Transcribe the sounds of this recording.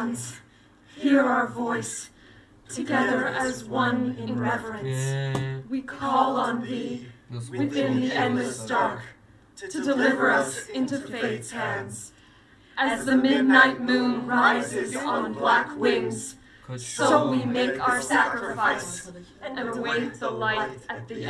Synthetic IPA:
nz̥ | hiɹaʊə˞vɔɪs | tʰɨɡɛðə˞ʔɨzwʌ̃nɪ̃nɹɛvə˞ɨ̃nswikʰɔlˠə̃n̩ði | wɨðɪ̃nðiɛ̃nɨsdɑɹk | tʰɨdɨlɪvə˞ʌsɪ̃ntʉfeeɪthæ̃nz̥ | ʔɨzðɨmɪdⁿnaɪt̚mʉ̃nɹaɪzɪzn̩blækwɪ̃ŋz̥ | soʊwimeɪkaʊə˞sækɹɨɨfaɪsʔɨ̃nəweɪt̪̚ðəlaɪɾɨt̪̚ði

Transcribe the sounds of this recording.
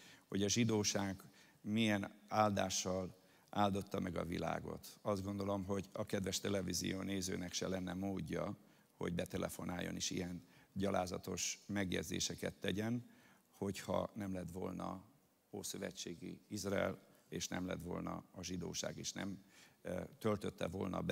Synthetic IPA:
ho̞ɟɒʒid̪oːʃaːɡ | mijɛnaːld̪aːʃːɒl | ʔaːld̪o̞t̪ːɒmɛɡɒvila̰ːɡo̞̰t̪ɒzd̪ɡo̞nd̪o̞lo̞mɦo̞ɟɒkɛd̪vɛʃt̪ɛlɛvizḭjoːneːzøːnɛkʃɛlɛnːɛmoːɟːɒ | ho̞̰ɟbɛt̪ɛlʔɛfo̞naːjːo̞̰niʃḭjɛnɟɒlʔaːzɒt̪o̞ʃmɛɡjɛd̪zḛːʃɛkɛt̪ːɛɟɛn | ho̞chɒnɛmlɛt̪ʋvo̞lnɒ | oːsøvɛt͡ʃːeːɡiizrɒɛleːʃnɛmlɛt̪ʋo̞̰lnɒɒʒid̪o̰ːʃa̰ːɡeːʃnɛm | t̪ølt̪ø̞t̪ːɛvolnɒb

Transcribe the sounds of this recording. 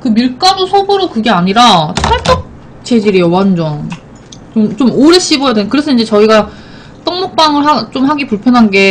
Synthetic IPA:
kɯmiɭk͈anosʰobɯɾokɯɡe̞aɲiɾatʰaɭt͈ʰok̚ | t͡ɕ͈e̞d͡ʑiɾijowand͡ʑʌn | t͡ɕomt͡ɕomoɾeɕ͈ibʌjadekɯɾe̞sʰʌind͡ʑe̞t͡ɕʌiɡa | t͈ʌŋmok̚p͈aŋɯɭɦat͡ɕomhaɡipuɭpʰjʌnɦanɡe̞

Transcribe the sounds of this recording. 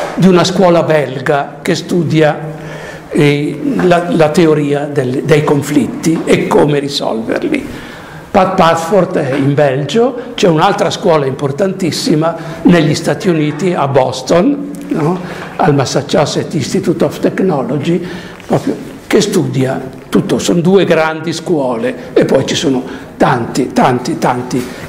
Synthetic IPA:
d̪iunaskwɔːlabɛlɡakest̪ud̪ja | lalat̪eoɾiːad̪eld̪ejkoɱflit̪ːiekːomeɾisɔ̰lvḛrlḭ | pat̪̚pat̪fort̪ɛimbɛld͡ʒot͡ʃɛunalt̪ɾaskwɔːlaimport̪ant̪isːimaneʎːist̪aːt̪iuniːt̪iabɔst̪onː | ɔalmasːat͡ʃːasɛt̪ːist̪it̪uːt̪ɔft̪eknɔlod͡ʒi | pɾɔːpɾjo | kest̪ud̪ja | t̪ut̪ːosond̪uːeɡɾand̪iskwɔːle | epːɔjt͡ʃisoːno | t̪ant̪it̪ant̪it̪ant̪i

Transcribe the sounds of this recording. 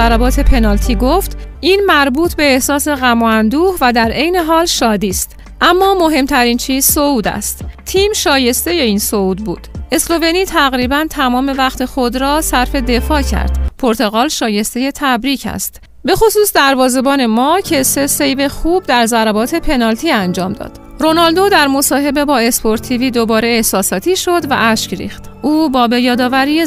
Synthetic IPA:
æɾæbɒːt̪ʰe̞pʰe̞nɒːlt̪ʰiːɡoft̪ʔiːnmæɾbuːt̪ʰbe̞ːhsɒːse̞ɣæmɔænd̪uːhvæd̪æɾʔe̞jne̞ɦɒːlʃɒːd̪iːst̪ | ʔæmːɒːmo̞ɦe̞mt̪ʰæɾiːnt͡ʃʰiːz̥souːd̪æ̰st̪t̪ʰiːmʃɒːje̞st̪e̞je̞iːnsouːd̪̚buːd̪̥e̞slo̞ve̞niːt̪ʰæɣɾiːbænt̪ʰæmɒːme̞væxt̪ʰe̞xo̞d̪ɾɒːsæɾfe̞d̪e̞fɒːcʰæ̰ɾd̪̥pʰo̞ɾt̪ʰo̞ɣɒːlʃɒːje̞st̪e̞je̞t̪ʰæbɾiːcʰæ̰st̪ | be̞xo̞suːsd̪æɾvɒːze̞bɒːne̞mɒːcʰe̞se̞sejbe̞xub̚d̪æɾzæɾæbɒːt̪ʰe̞pʰe̞nɒːlt̪ʰiːænd͡ʒɒːmd̪ɒ̰d̪̥ɾo̞nɒld̪o̞d̪æɾmo̞sɒːɦe̞be̞bɒːe̞spʰo̞ɾt̪ʰiviːd̪o̞bɒːɾeːhsɒːsɒːt̪ʰiːʃo̞d̪væ̰ʔæʃcɾḭːxt̪ʔuːbɒːbe̞jɒːd̪ɒːvæɾije

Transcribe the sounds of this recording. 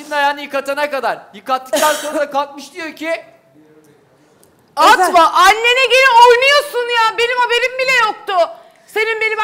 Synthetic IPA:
ind̪ajaːnijɯkat̪ʰanakad̪aɾjɯkat̪ːɯ̥k̚t̪anso̞nɾad̪akalˠk̪̚mɯʃd̪ijo̞cʰi | at̪maʔalʲːe̞nɛɟeɾiojnujo̞sunjaːbe̞nimhabe̞ɾimbilʲɛjok̚t̪ʊ | se̞nimbe̞nim

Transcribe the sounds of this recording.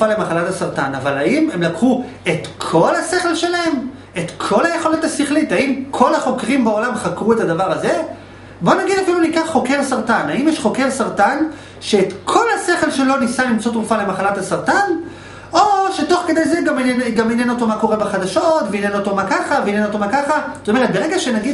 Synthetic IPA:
ufale̞maχalathasaʁt̪anavalaime̞mlakχu | e̞tkʰo̞lase̞χe̞lʃe̞lahe̞m | e̞t̪kʰo̞laje̞χo̞lot̪asiχlitaimkʰo̞laχo̞kʁimbeo̞lamχakʁue̞tadavaʁaze̞ | bo̞naɡid̪afilunikaχχo̞ke̞ʁsaʁtanaimjɛʃχo̞ke̞ʁsaʁtan | ʃeːtkʰo̞lhase̞χe̞lʃe̞lo̞nisalimt͡so̞t̪̬ʁufale̞maχalathasaʁt̪an | o̞ʃe̞to̞χke̞d̪e̞jzeɡameneɡamenjeno̞t̪o̞mako̞ʁebaχad̪aʃo̞tveinjenot̪o̞makaχaveːneno̞t̪o̞makaχazo̥t̪ome̞ʁet̪̚be̞ʁe̞ɡaʃenaɡid

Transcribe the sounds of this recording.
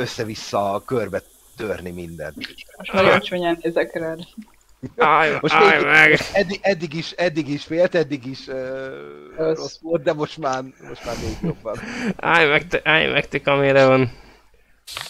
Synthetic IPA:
ø̞sːɛvisːɒkørbɛ | t̪ørnimind̪ɛ̰nt̪moʃɔlɔt͡ʃoɲɛnɛzɛkɾɛl | amo̞ʃt̪eːjmɛɡɛd̪ːiɛd̪ːiɡiʃɛd̪ːiɡiʃfeːlt̪ɛd̪ːiɡiʃøː | rosʋo̞lt̪̚d̪ɛmo̞ʃt̪maːrmo̞̰ʃt̪maːrmeːɡjo̞bːɒna̰jmɛkt̪ʔajmʔɛkt̪ikɒmeɾɛvɒn

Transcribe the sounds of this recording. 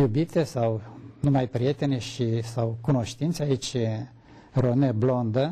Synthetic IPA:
jubit̪e̞sawnumajpɾʲije̞t̪e̞neʃisawkuno̞ʃt̪int̪seait͡ʃʲ | roneblo̞nd̪ə

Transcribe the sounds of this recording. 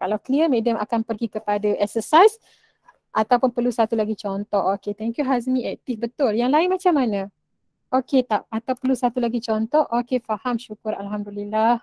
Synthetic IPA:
kalawkəliəmẽdəma̰kanpərɡikəpadaʔɛksəsajs | ʔat̪awpʊnpərlusat̪ulaɡit͡ʃɔnt̪ɔʔoket̪ɛŋkjuɦaz̬mĩɛk̚t̪ɪkbət̪ʊljaŋlaɪnmat͡ʃamːanã | ʔoket̪aʔat̪awpərlusat̪ulaɡit͡ʃɔnt̪ɔʔokefahamʃukʊɾalɦamdulilah

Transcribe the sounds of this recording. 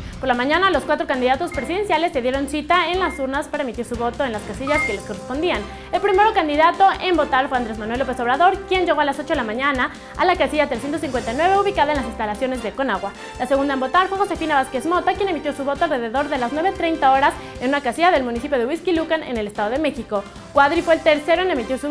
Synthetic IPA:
po̞ɾlamãɲãnalo̞skwat̪ɾo̞kand̪iðat̪ospɾesiðe̞ns̬jale̞sːeðje̞ɾo̞nsit̪aenlasuɾnaspaɾae̞mit̪iɾsuβo̞t̪o̞enlaskasiʝaskelesko̞respo̞nd̪ian | e̞lpɾime̞ɾo̞kand̪iðat̪o̞ʔembo̞t̪aɾfwe̞and̪ɾe̞zmanwe̞lːope̞so̞βɾaðo̞ɾkje̞nd͡ʒe̞ɣo̞alaso̞t͡ʃo̞ðelamãɲãna | a̰lakasiʝat̪ɾesjent̪osiŋkwe̞nt̪ajnwe̞βe̞uβ̞ikaðoenlasinst̪alasjo̞ne̞zðeko̞naɣwa | lase̞ɣund̪aembo̞t̪aɾfwe̞xo̞se̞finaβaske̞zmo̞t̪akjene̞mit̪josuβo̞t̪oalreðeðo̞ɾðe̞laznwe̞βet̪ɾejnt̪ao̞ɾasenũnakasiʝaðe̞lmũnisipjo̞ð̞ewiskilukanḛne̞le̞st̪aðo̞ðe̞me̞xiko̞ | kwaðɾifweːlt̪eɾse̞ɾoene̞mit̪josu

